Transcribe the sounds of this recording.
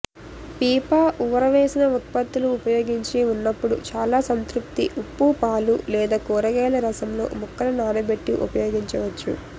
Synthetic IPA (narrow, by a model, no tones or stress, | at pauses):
piːpaːʔuʋɐɾɐʋeːsinɐut̪̚pɐt̪ːuluːpɐjo̞ːɡiɲt͡ʃiunːɐpːuɽut͡ʃaːlaːsɐnt̪ɾup̚t̪iʔupːupaːlulɛːd̪aːkuːɾɐɡɛːlɐɾɐsɐmlo̞̰ːmukːɐɾɐnaːnɐbeʈːiʔṵpɐjoːɡiɲt͡ʃɐʋɐt͡ʃːṵ